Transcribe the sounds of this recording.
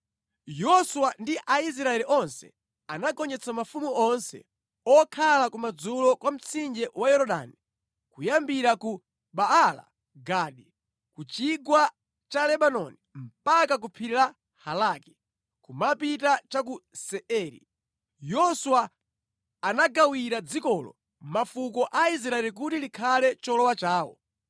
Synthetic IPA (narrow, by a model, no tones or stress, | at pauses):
jɔswandiʔais̬ɾaɛliʔɔnsɛ̰ | anakɔnd͡ʒɛt͡sʰamafumuʔɔnsɛ̰ | ɔkʰalakumad͡zulɔkwam̩t͡sind͡ʒɛwajɔɾɔɗa̰ni | kujambiɾaku | ɓaala̰ | ɡaːɗi | kut͡ʃiɡwa | t͡ʃalɛɓanɔnim̩pakak̬upʰiɾila | halaːkɛ̥ | kumapitat͡ʃak̬usɛʔɛːɾḭ | jɔswaː | naɡawiɾad͡zikɔlɔ̰ | mafukɔʔais̬ɾaɛlik̬utilikʰalɛt͡ʃɔlɔwat͡ʃaːwɔ̰